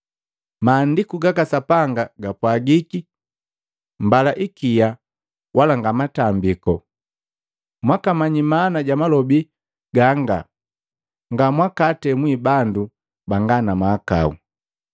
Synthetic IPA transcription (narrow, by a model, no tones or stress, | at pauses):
maːndikuɡakasapaŋɡaɡapwaɡiki | mbalaʔikija | wʔalaŋɡamatambikɔ | mwakamaɲimaːnaɟamalɔbi | ɡaŋɡa̰ | ŋɡamwakatɛmwibandu | baŋɡanamaːka̰ṵ